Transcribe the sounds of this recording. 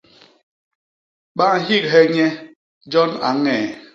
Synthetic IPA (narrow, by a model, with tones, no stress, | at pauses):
ɓa˦ŋ˦ɦi˦k̚ɦe˦ɲe˦ | d͡ʒɔ˦na̰˨ŋɛ˨